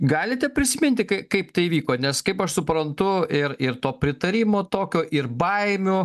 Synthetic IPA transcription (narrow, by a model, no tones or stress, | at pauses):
ɡɑːlʲɪt̪ʲɛpʲɾʲɪsʲɪmʲɪnʲt̪ʲɪkɐɪkɐɪpt̪ɐɪʋʲiːkoːnʲɛskɐɪpɐʃsʊpɾɐnt̪ʊɪɾɪɾt̪oːpʲɾʲɪt̪ɐɾʲiːmoːt̪oːkʲoːʔɪɾbɐɪmʲoː